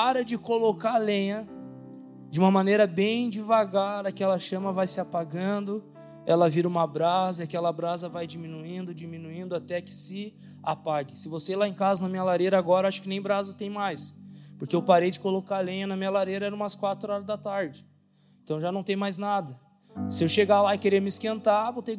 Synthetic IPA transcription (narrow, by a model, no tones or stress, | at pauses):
paɾɐd͡ʒɪkolokalẽjɐ | d͡ʒɪũmɐmɐ̃nejɾɐbẽj̃d͡ʒivaɡaɾɐkɪɛlɐʃɐ̃mɐvajsɪapaɡɐ̃nd̪ʊ | ɛlɐviɾɐũmɐbɾazɐiakɛlɐabɾazɐvajd͡ʒimĩnuĩnd̪ʊd͡ʒimĩnuĩnd̪ʊat̪ɛkɪ̥sɪ | apaɡɪsɪvoselaẽkazɐnɐmĩɲɐlaɾeɾɐaɡɔɾɐaʃʊ̥kɪnẽj̃bɾazɐt̪ẽj̃majspoɾkeeʊwpaɾejd͡ʒɪkolokalẽjɐnɐmĩɲɐlaɾejɾɐɛɾɐ̃ũmɐskwat̪ɾʊɔɾɐzd̪ɐt̪aɾd͡ʒɪ | ẽnt̪ɐ̃w̃ʒanɐ̃w̃t̪ẽj̃majznad̪ɐ | sɪewʃeɡalaɪkeɾemɪskẽnt̪avowt̪e